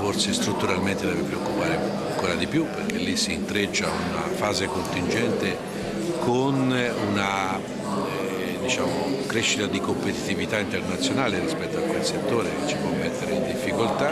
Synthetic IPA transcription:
forsest̪ɾut̪ːuɾalment̪ed̪ɛːvepɾeokːupaːɾeaŋkoːɾad̪ipjupːerkelːisːiːnt̪ɾet͡ʃːaunafaːzekont̪ind͡ʒɛnt̪e | kʰonuna | d̪it͡ʃaːmokɾeʃːit̪ad̪ikompet̪i̥t̪ivit̪aint̪ernat̪sːjonaːleɾispɛt̪ːoakːwelset̪ːoːɾet͡ʃːi̥pwɔmːet̪ːeɾeind̪ifːikolt̪a

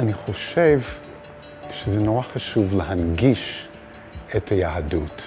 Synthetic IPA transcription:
aniχo̞ʃev | ʃezenoʁaχaʃuvleɦanɡiʃ | etʰajaadut

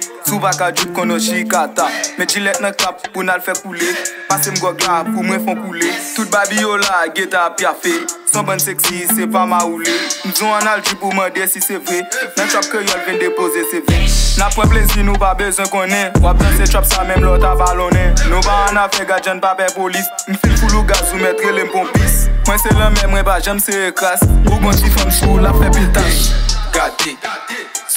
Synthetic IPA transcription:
supakad͡ʒup̚kɔ̃nɔ̃ʃikat̪amɛ̃d͡ʒĩlɛt̪̚nɐ̃kappunalfɛkulepasem̩ɡɔɡlapumwɛ̃fɔ̃kulet̪ut̪̚babijolaɡet̪apjafesɔ̃bãnseksisepamaulem̩zɔ̃ãnald͡ʒip̬umɐ̃desisevenɐ̃t͡ʃɔp̚kejɔlvĩndepozesevɛnapːwɛ̃p̬lezinũpabøzwɛ̃kɔ̃nɛ̃wap̚ʒãset͡ʃɔpsamɛ̃mlɔt̪avalɔ̃nɛ̃nũpaãnafɛɡad͡ʒãnpabɛpolism̩finpuluɡazũmɛt̪ɣelem̩bɔ̃bismwɛ̃selɛ̃mɛ̃mwɛ̃paʒãm̩seɣeklaspuɡɔ̃sifɔmpulapfɛpit̪ajɡade

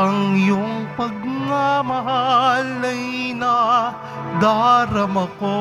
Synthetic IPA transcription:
ɐŋjoŋpɐɡ̚ŋamɐɦalɐjnɐ | d̪aɾɐmɐko

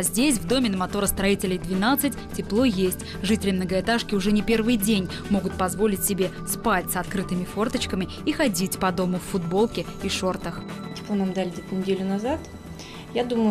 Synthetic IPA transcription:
zʲdʲesʲvd̪o̞mʲɪnəmɐt̪o̞ɾəst̪ɾɐitʲɪlʲɪjd̪vʲɪnat̪sɨtʲtʲɪplˠo̞jesʲtʲ | ʐɨtʲɪlʲɪmnəɡəɪt̪aʂkʲɪʊʐɛnʲɪpʲe̞rvɨjdʲenʲ | mo̞ɡʊt̪̚pɐzvo̞lʲɪtʲsʲɪbʲe̞ | spatʲsɐt̪kɾɨt̪ɨmʲɪfo̞rt̪ət͡ɕkəmʲɪ | ixɐdʲitʲpɐd̪o̞mʊfːʊd̪bo̞lˠkʲɪiʂo̞rt̪əxtʲɪ̥plˠonamd̪alʲɪdʲɪt̪nʲɪdʲelʲʊnɐzat̪ | jad̪uməjʊ

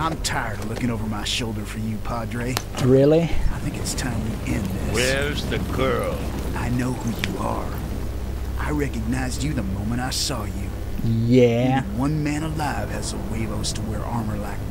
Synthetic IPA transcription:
ãɪ̃mtʰaɪə˞dəlʊkɪ̃ŋoʊvə˞maɪʃoʊlˠdə˞fə˞jɨpʰɑdɹeɪ | ɹɪlˠiaɪθɪ̃ŋkɨtstʰãɪ̃mtʰɨʔɪ̃nðɪ̰wsɛɹzðɨɡʰɜ˞lˠʔaɪnoʊhujɨə̰˞ | ʔa̰ɪɹɛkɨɡ̚naɪzd͡ʒɨðəmõʊ̃mə̃ɾtaɪsɔjʉ | jæwʌ̃nmæ̃ñəlaɪv̥ɨzəweɪvoʊstʰəwɛɹʔɑɹmə˞laɪk̚

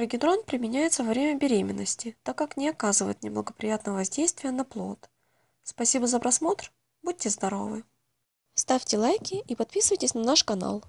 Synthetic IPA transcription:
ɾɨɡʲɪd̪ɾonpɾʲɪmʲɪnʲæjɪt̪səvɐvɾʲemʲəbʲɪɾʲemʲɪ̰nːəsʲtʲɪt̪akːaknʲɪɐkazɨvə̰jɪt̪nʲɪblˠəɡəpɾʲɪjat̪nəjəvɐzʲdʲejst̪vʲɪjənɐplˠo̞̰t̪ | spɐsʲibəzəpɾɐsmo̞t̪r | bud̚ʲtʲɪzd̪ɐɾo̞̰vɨ | st̪afʲtʲɪlˠajkʲɪipɐt̪̚pʲisɨvəjʲtʲɪsʲnɐnaʂkɐna̰lˠ

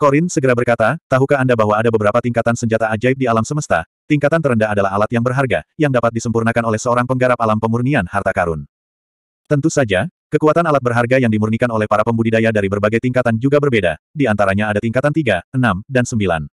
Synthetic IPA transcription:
koɾɪnsəɡəɾabərkat̪at̪aɦukaːndabaɦwaːdabəbəɾapat̪iŋkat̪ansəɲd͡ʒat̪aːd͡ʒaɪp̚dialamsəməst̪a̰ | t̪iŋkat̪ant̪əɾəndaɦadalaɦalat̪jaŋbərɦarɡajaŋdapat̪̚disəmpurnakanolɛhsəoɾaŋpəŋɡaɾap̚alampəmurnianhart̪akaɾʊn | t̪ənt̪usad͡ʒakəkuat̪analat̪̚bərɦarɡajaŋdimurnikanolɛhpaɾapəmbudidajadaɾibərbaɡajt̪iŋkat̪and͡ʒuɡabərbeda̰diant̪aɾaɲaːdat̪iŋkat̪ant̪iɡaənamdansəmbila̰n

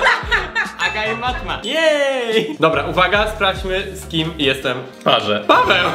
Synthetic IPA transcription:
akajɛmat̪majɛjd̪ɔbɾaʔuvaɡaspɾaft͡ɕmɘskʲimjɛst̪ɛm | paʐɛpaʐɛ

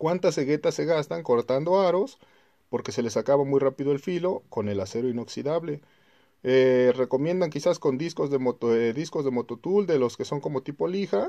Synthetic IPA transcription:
kwant̪ase̞ɣe̞t̪asːe̞ɣast̪aŋko̞ɾt̪and̪o̞aɾo̞s | po̞ɾke̞se̞le̞sakaβamujrapiðo̞e̞lfilo̞ko̞ne̞lase̞ɾoino̞ksiðaβle̞ | ere̞ko̞mje̞nd̪aŋkisasko̞nd̪isko̞zðe̞mot̪ðisko̞zðe̞mo̞t̪o̞t̪uld̪e̞lo̞ske̞so̞ŋko̞mo̞t̪ipo̞lixa

